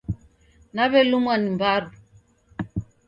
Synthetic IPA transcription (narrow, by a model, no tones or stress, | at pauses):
naβɛlumwanimbaɾu